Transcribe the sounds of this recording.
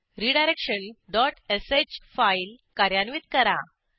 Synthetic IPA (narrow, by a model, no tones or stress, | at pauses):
ɾiɖajɾekʂənɖɔʈeset͡ɕfailkaɾjanʋiːt̪kəɾa